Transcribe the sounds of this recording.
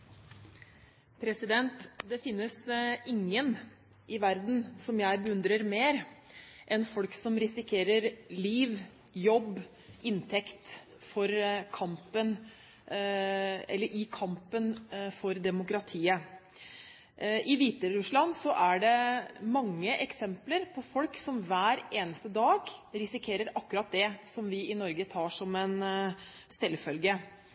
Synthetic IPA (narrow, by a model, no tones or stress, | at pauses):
pʰɾɛsɪd̪ɛnt̪d̪ɛfɪnːəsɪŋːən | ʔɪʋæɾd̪n̩sɔmjæɪbəʉnd̪ɾəɾmeːɾʔɛnfɔlksɔmɾɪsɪkʰeːɾəɾliːʋjɔb | ɪnt̪ʰɛkt̪ | fɔɾkʰɑmpən | ɛ̰lːəɾʔɪkʰɑmpənfɔɾd̪ɛmʊkɾɑt̪ʰiːə | ɪʋiːt̪əɾʉʂlɑnsɔʔæɖɛmɑŋːəʔɛksɛmpləɾpʰɔfɔlksɔmʋæːɾeːnəst̪əd̪ɑːɡɾɪsɪkʰeːɾəɾɑkːʉɾɑt̪̚d̪ɛsɔmʋɪɪnɔɾɡət̪ʰɑːʂɔmɛn | sɛlfœlɡə